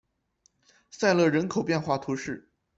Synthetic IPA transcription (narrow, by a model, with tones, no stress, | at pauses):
sa˥˧ɪlɤ˥˩ɻə˧˥nkʰo˨˩ʊpjɛ˥˧nxwa˥˩t̪ʰu˧˥ʂɻ̩˥˩